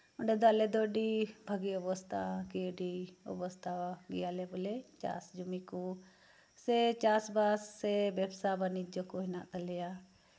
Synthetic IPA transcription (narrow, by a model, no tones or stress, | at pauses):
ʊɳɖed̪aːleːd̪oːɖiːbʱəɡiobost̪aːkiɖiːo̰bəst̪aːaɡijaːleːbʊleːt͡ʃa̰ːsd͡ʒumikuː | set͡ʃaːsbaːsːebebsaːbanid͡ʒokoːɪnaːt̪əlejaː